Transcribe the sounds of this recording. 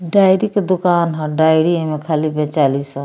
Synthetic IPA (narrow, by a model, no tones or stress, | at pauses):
ɖaːɪɾiked̪ukaːnɦãɖaːɪɾiemẽkʰaːlibʱẽt͡ʃaːlisə̃